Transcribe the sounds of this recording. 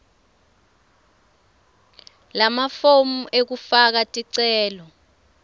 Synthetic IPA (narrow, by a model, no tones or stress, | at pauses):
lamafomuʔek̬ufak̬atʼiǀɛːlɔ